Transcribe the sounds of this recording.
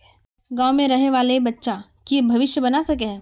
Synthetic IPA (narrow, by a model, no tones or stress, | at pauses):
ɡãːwmẽɾɐɦeʋaːlebɐtːʃa | kibʱɐʋɪʃjəbɐnasɐk̬eɦɛ̃ː